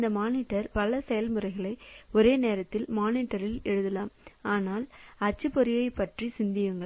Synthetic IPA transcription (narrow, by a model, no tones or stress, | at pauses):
nd̪ɐmaːnɪʈːɐɾpɐlɐsɛjɐlmɯɾɐɪɣɐɭɐɪɔɾeːneːɾɐt̪ːɪlmaːniʈːɐɾɪlɛɻɯðɐlaːmaːnaːlɐt͡ʃːɯpːɔɾɪjɐɪpːɐʈrisɪnd̪ɪjɐŋɡɐ